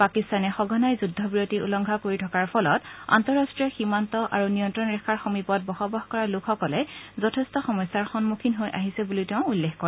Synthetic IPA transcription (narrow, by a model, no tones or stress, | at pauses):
pakistanɛxɔɡʱɔnajzudʱːɔbɹijotiṵlɔŋɡʱakoɹitʰɔkaɹpʰɔlɔta̰ntɔɹastɹijɔximantɔʔa̰ɹunijɔntɹɔnɹɛkʰaɹxɔmipɔt̚bɔxɔbaxkɔɹalʊkʰxɔkɔlɛzɔtʰɛstɔxɔmɔjsːaɹxɔnmukʰinɦojʔa̰ɦisɛbulitɛʊ̃ulːexkɔɹɛ